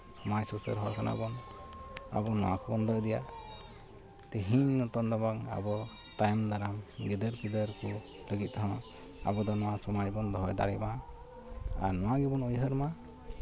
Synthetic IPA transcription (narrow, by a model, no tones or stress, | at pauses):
majsusə̰ɾɦɔɾkʰanʔa̰bɔn | a̰bɔnɔwakʰɔbɔnd̪ɔjd̪ija | t̪eɦiɲnɔt̪ɔnd̪abaŋa̰bɔ | t̪ajmd̪aɾamɡid̪əɾkid̪əɾku | ləɡit̪̚t̪aɦã | a̰bɔd̪ɔnɔwasɔmajbɔnd̪ɔɦɔjd̪a̰ɾɛma | a̰ɾnɔwaɡɛbɔnɔjɦəɾma